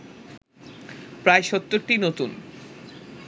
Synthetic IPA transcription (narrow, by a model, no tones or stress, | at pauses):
pɾaeʃɔt̪ːoɾʈinot̪un